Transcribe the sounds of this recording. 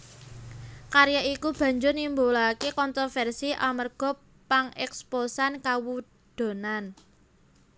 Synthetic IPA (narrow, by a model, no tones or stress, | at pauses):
kaɾjaikub̥ä̤ɲd͡ʒʊrnimbolakekɔnt̪ɾɔfɛrsiʔamərɡ̥ɔ̤ | paŋɛksposankawu | d̪̥o̤nan